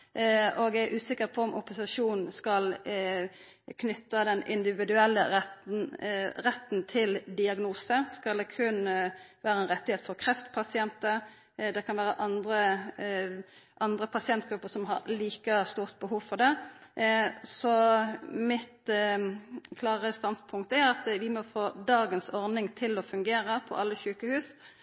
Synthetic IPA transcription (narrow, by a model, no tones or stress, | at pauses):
oɡæʔʉːsɪkːəʁpʰɔɔmʔʊpʊsɪʂuːnn̩skɑl | kʰnʏt̪ːəd̪ɛnɪ̰nd̪ɪʋɪd̪ʉɛlːə̰ɛt | ʁɛt̪ːnt̪ʰɪld̪ɪɑɡnuːsəskɑld̪ɛkʰʉnːəʋæːɾəɛnʁɛt̪ːɪheːt̪ə̥fɔʁkʰʁɛft̪pʰɑsɪɛnt̪ə | d̪ɛkʰɑnʋæːʁəʔɑnd̪ʁə | ʔɑnd̪ʁəpʰɑsɪɛnt̪̚ɡɾʉpːəsɔmɦɑ̰ʁliːkəst̪uːʁt̪̚bəhuːʋfɔʁd̪ɛ | sɔmɪt̪ | kʰlɑːʁəst̪ɑnt̪pʰʊŋk̚t̪əæʁɑt̪ʋɪmɔfoːd̪ɑːɡənsɔʁnɪŋt̪ʰɪlɔfʉŋɡeːʁəpʰɔ̰ʔɑlːəçʉːkəhʉːs